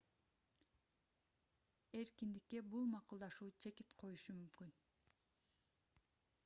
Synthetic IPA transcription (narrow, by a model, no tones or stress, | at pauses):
e̞ɾkind̪ikːe̞bulˠmɑqulˠd̪ɑʃuːt͡ʃʰe̞kit̪qʰo̞juʃumymkyn